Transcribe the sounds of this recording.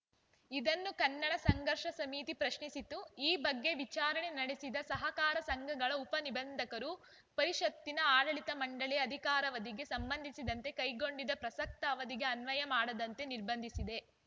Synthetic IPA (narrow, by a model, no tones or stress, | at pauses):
id̪ɐnːukɐnːɐɽɐsɐŋɡɐɾʂɐsɐmiːt̪ipɾɐʃɳisit̪uiːbɐɡːe̞ʋit͡ʃaːɾɐɳenɐɽesid̪ɐsɐɦɐkaːɾɐsɐŋɡʱɐɡɐɭɐupɐnibɐnd̪ʱɐkɐɾu | pɐɾiʂɐt̪ːinɐaːɽɐɭit̪ɐmɐɳɖɐɭɛɐd̪ʱikaːɾɐʋɐd̪iɡe̞sɐmbɐnd̪ʱisid̪ɐnt̪e̞kɐjɡo̞ɳɖid̪ɐpɾɐsɐk̚t̪ɐːʋɐd̪iɡe̞ɐnʋɐjɐmaːɽɐd̪ɐnt̪e̞niɾbɐnd̪ʱisid̪e̞